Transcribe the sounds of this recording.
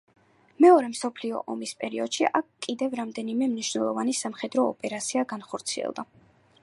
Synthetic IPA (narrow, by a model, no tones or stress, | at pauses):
mɛɔɾɛmsɔpʰliɔ̰ʔɔmispʼɛɾiɔd̪̥ʃiʔakʰkʼːid̪ɛvɾamd̪ɛnimɛmniʃwnɛlˠɔvanisamχɛd̪ɾɔːpʼɛɾat̪sʰiaɡanχɔɾt̪sʰiɛ̰lˠd̪a